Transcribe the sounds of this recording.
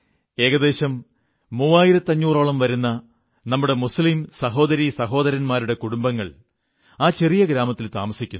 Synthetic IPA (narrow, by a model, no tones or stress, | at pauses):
e̞ːɣɐd̪e̞ːɕɐmː | uːaːjiɾɐt̪ːɐɲːuːroːɭɐmʋɐɾunːɐ | nɐmːuɽe̞muslimsɐɦo̞ːd̪ɐɾisɐɦo̞ːd̪ɐɾɐnmaːɾuɽe̞kuɽumbɐŋːɐɭ | aːt͡ɕe̞rijɐɡɾaːmɐt̪ːilt̪a̰ːmɐsikʲːunː